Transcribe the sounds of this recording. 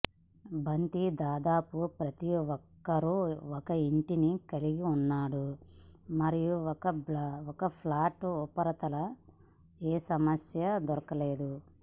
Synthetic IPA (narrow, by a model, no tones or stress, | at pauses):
bɐnt̪id̪aːd̪aːpupɾɐt̪iɔkːɐɾuɔkɐiɳʈinikɐliɡiunːaːɽu | mɐɾijuɔkɐbɔkɐpʰlaːʈɔpːɐɾɐt̪ɐlɐ | eːsɐmɐsjɐd̪ɔɾɐkɐleːd̪u